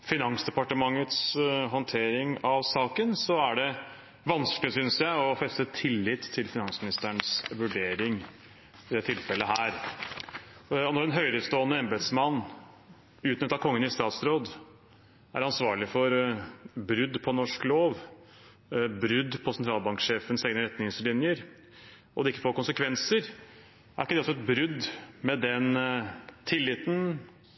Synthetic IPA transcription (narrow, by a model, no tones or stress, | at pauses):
fɪnɑŋsd̪ɛpɑʈəmɑŋːət̪sɦɔnt̪ʰeːɾɪŋɑʋsɑːkənsɔæɖɛ | ʋɑnsklɪsʏnsjæɪɔfɛst̪ət̪ʰɪlːɪt̪ʰːɪlfɪnɑnsmɪnɪst̪əɳsʋʉɖeːɾɪŋ | ɪd̪ɛt̪ʰɪlfɛlːəɦæːɾ | ɔnɔɾɛnɦœʏɾəst̪oːənəɛmbət̪smɑnː | ʉːt̪nʏt̪ːɑkʰɔŋːənɪst̪ɑːt̪sɾoːd̪ | æ̰ɾɑnsʋɑːɭɪfɔɾ | bɾʏd̪pʰɔnɔʂkloːʋ | bɾʏd̪pʰɔsɛnt̪ʰɾɑːlbɑŋkʂeːfənsɛɡnəɾɛt̪nɪŋslɪnjəɾ | ɔd̪ɛɪkːəfoːɾkʊnsəkʰʋɛnsəɾ | æɾɪkːəd̪ɛsɔɛt̪bɾʏd̪mɛd̪ɛn | t̪ʰɪlːɪt̪n